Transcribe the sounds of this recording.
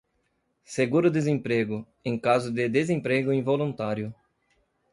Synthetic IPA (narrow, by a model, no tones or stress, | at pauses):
seɡuɾʊd̪ezẽpɾeɡʊ | ẽj̃kazʊd̪ɪd̪ezẽmpɾeɡʊĩvolũnt̪aɾjʊ